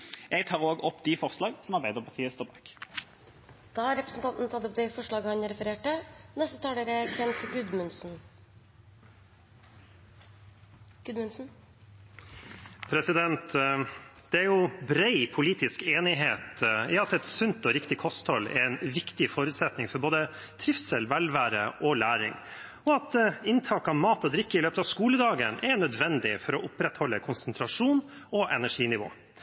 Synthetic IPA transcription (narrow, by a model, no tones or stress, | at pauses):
jɛɡt̪ʰɑːʁoːɡɔpːd̪ɪfɔʁslɑːɡsɔmɑʁbæɪd̪əʁpʰɑt̪ʰiːəst̪oːʁbɑːk | d̪̥ɑːhɑɾɛpɾəsn̩t̪ɑnt̪nt̪ʰɑt̪ːɔp̚d̪ɛɪfɔʂɭɑːɡəhɑnɾɛfəɾeːʈənɛst̪ət̪ʰɑːləːɾəkʰʋɛnt̪ɡʉd̪mʉnsn | ɡ̥ʉd̪mʉnsn̩ | pʰɾɛsɪd̪ɛnt̪ | d̪̥ɛæɾjʊbɾɛɪpʰʊliːt̪ɪskeːnɪɦeːt̪jɑːɑt̪ɛt̪sʉnt̪ɔɾɪkt̪ɪkʰɔst̪hɔlːɛ̰ɾɛɪnʋɪkt̪ɪfoːɾʉt̪sɛt̪nɪŋfɔɾboːd̪ə | t̪ʰɾɪfsɛlʋɛlʋæːɾə̰ʔɔlæːɾɪ̰ŋ | ɔɑt̪ɪnt̪ʰɑːkɑmɑːt̪ɔd̪ɾɪkːəɪløːpət̪ɑʋskuːləd̪ɑːɡənʔɛɳœd̪ʋɛnd̪ɪfɔɾɔʔʊpɾɛt̪hɔlːəkʰʊnsənt̪ʰɾɑʂuːnɔʔɛnæʂiːnɪʋo̰ː